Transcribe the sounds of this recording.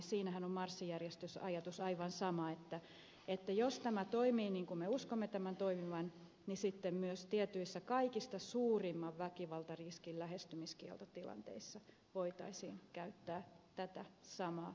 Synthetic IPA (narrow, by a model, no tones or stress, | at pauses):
siːnæhænommɑrsːijærjest̪ysɑjɑt̪usɑiʋɑnsɑmɑet̪ːæ | et̪ːæjost̪æmæt̪oimiːniːŋkumeuskomːet̪æmænt̪oimiʋɑn | nisit̪ːemmyøst̪iet̪yisːækɑikist̪ɑsuːrimːɑʋʋækiʋɑlt̪ɑriskillæhest̪ymiskiɛ̰lt̪ot̪ilɑ̰nt̪ḛisːɑ | ʋoit̪ɑ̰isiːnkæyt̪ːæːt̪æt̪æsɑmɑː